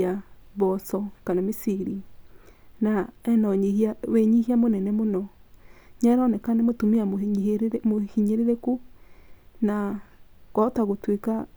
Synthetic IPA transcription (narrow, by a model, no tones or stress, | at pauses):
aβɔsɔkanamisiɾi | naɛnɔɲehaweɲihiamonɛnɛmonɔɲaɾanɛkanemotomea | mohiɲeɾeɾeku | nakɔtaɣotweka